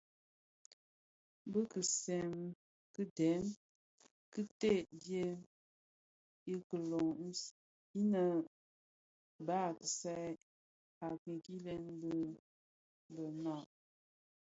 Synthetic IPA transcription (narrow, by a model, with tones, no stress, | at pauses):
bə˦kə˨sɛ˨m | kɨ˦dɛ˨˦m | kɨ˦te˦˨bje˦ | i˦kə˨lo˨ŋ˦ | i˦nə˦ | ba˦˨kə˨sa˦ | a˨ki˨ki˦lɛ˦nbə˦ | bə˨na˦˨